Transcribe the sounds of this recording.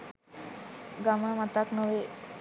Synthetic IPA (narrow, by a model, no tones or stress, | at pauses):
ɡaməmat̪aknoʋe